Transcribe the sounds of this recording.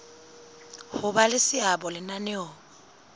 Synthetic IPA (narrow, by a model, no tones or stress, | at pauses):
hʊbalɪsɪabɔlɪnanɛɔ